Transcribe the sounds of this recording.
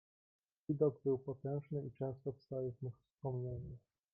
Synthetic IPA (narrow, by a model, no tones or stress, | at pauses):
vʲid̪ɔɡbɘwpɔt̪ɛ̃w̃ʐnɘit͡ʂɛ̃ñst̪ɔfst̪awɛvʲmixfspɔmɲeɲu